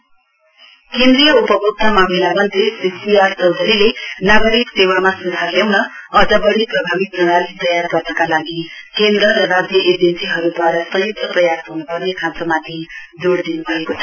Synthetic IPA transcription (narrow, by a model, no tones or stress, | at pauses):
kend̪rijʌupʌbʱuk̚t̪amamilamʌnt̪resisiart͡sʌwd͡zʌɾilenaɡʌɾiksewamasud͡zʱarljawnʌʌd͡zabʌɽiprʌbʱabik̪nʌɽalit̪ʌjarɡʌrnʌkalaɡikend̪ɾʌɾʌrad͡zjʌʔed͡zʌnsiɦʌɾud̪ʱwaɾʌsʌjuk̚t̪ʌprʌjasɦunupʌrnekʰãt͡sʌmat̪id͡zoɽd̪inubʱʌekotʰ